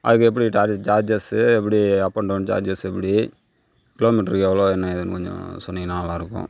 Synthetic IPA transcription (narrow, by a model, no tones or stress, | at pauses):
ʔɐ̰ðɯkːɯɛpːɐɽiʈaːd͡ʒaːd͡ʒɐsɛpːɐɽiɐpːɐɳɖond͡ʒa̰ːd͡ʒɐsɛpːɐɽi | kɪloːmɪʈɐɾɛʋɐloːɛnːɐɪðɐnkɔɲd͡ʒõ̰sɔnːɐnːaːnɐlːãːɪɾɯkːʊ̰̃